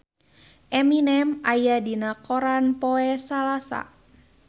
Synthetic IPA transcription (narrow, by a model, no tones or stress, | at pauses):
ʔɛminɛmajadinakoɾanpɔɛsalasa̰